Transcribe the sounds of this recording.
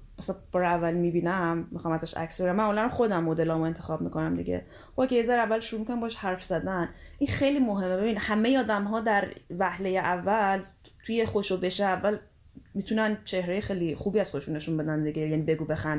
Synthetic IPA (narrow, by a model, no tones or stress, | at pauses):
mæsæb̥ɒːɾeævːælmibiːnæmːixɒːmæzæʃæ̰csbeɾæmːæːmulænamxo̞d̪æmːod̪elɒːmoe̞nt̪ʰexɒːb̚mḭkʰonæmd̪ḭɟḛ | χobkʰejezæɾævːælʃoɾumikʰonæmbɒːʃhæɾfz̥æd̪ænʔinxejlimoɦe̞mːebe̞binhæmejeɒːd̪æmɦɒːd̪æɾvæhlejeʔævːæl | t̪ʰujeχoʃobe̞ʃeævːæl | miːt̪ʰunænt͡ʃʰe̞hɾejexejliχuːbiːæz̥xoeʃune̞ʃunbe̞d̪ænd̪iɟejænibe̞ɡuːbe̞xænd̪